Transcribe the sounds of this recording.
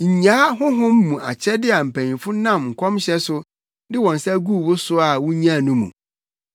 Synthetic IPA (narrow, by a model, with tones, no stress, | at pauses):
ɲ̩˨ɲaː˦ɦʊ̃˦ɦʊ̃˦m̩ː˦ũ˨a̰˨t͡ɕʰɛ˦dɪ˦a˨m̩˨pʰæ̃˨ɲĩ˨fʊ˦nã˦˨mŋ̩˨kʷʰɔ̃˦mɕɛ˦sʊ˦ | dɪ˦wɔ̃˨n˨sɛ˦ɡu˦˨bʊ˦sʊ˦a˨wʊ̃˦ɲ˦ã˦˨nũ˦mṵ̃˨